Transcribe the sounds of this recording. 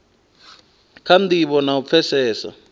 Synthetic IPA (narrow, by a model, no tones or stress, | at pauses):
kʰam̩tiɓɔnaup̪fʰɛsɛːsa̰